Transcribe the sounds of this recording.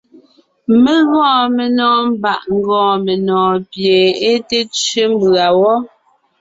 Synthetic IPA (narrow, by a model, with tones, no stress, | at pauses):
me˦ɣɔ̃ː˦˨me˨nɔː˦m̩˦ba˨ʔŋ̩˦ɡɔ̃ː˨me˨nɔː˨pje˨e˦te˦t͡ʃɥe˦m˦bɰa˨wɔ˦